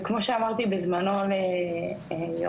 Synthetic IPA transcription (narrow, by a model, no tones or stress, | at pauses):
kmo̞ʃeamaʁt̪ibezmanole | ejo